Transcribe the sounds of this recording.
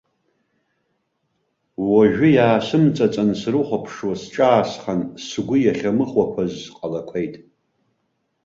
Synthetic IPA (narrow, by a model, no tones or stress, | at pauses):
waʒᶣʊjaːsɨmt͡sʼat͡sʼansrɨχʷapʰʂwasʈ͡ʂʼaːsχansɡʷʊjaχʲamɨχwakʷʰazqʼalakʷʰejtʼ